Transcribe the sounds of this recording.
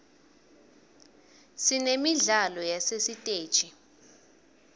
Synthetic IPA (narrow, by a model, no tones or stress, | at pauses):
sinemiɮalɔjasesitʼeːd̥t͡ʃʼi